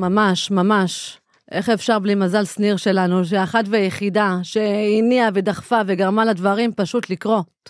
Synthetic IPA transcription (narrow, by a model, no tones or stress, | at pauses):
mamaʃmamaʃ | ʔe̞χefʃaʁblimazalsniʁʃe̞lanuʃ̬eaχatvejeχidaʃeiniaved̪aχfaveɡaʁmalad̪vaʁimpaʃut̪likʁo̞